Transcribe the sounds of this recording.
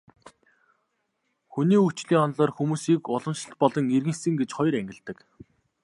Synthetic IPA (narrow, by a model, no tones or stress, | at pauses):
xuniːut͡ɕɮiːŋɔnɮɔːrxumuːsiːkʊɮɞ̆mʃɪ̆tpɔɮɞ̆ŋerɣɘ̆ŋsɘ̆ŋɡet͡ɕχɔj̆ɾæŋɡʲɪ̆ɮt̪ɘ̆k